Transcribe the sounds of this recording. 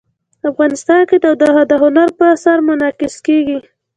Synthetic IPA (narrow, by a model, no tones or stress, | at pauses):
afɣɑnɪst̪ɑnked̪əd̪əd̪əɦʊnaɾpəasaɾmʊnɑkɪskeɡi